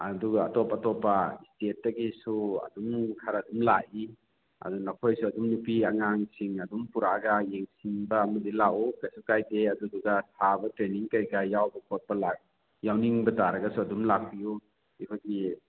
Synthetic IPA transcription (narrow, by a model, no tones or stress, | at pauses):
ɐduɡaːtɔpatɔpːastet̚ːɐɡisuɐ̰dumkʰaɾaːdumlaʔi | ɐ̰dunakʰojsuɐdumnupiaŋaŋsiŋɐdumpuɾaɡajeŋsinbɐːmɐdilawɔkasukajdeɐduduɡasʰabɐtɾeniŋkajɡajawbɐkʰɔt̚pɐlak̚ | jawniŋbɐtaɾɐɡɐsuadumlak̚ʰiju | ikʰojdi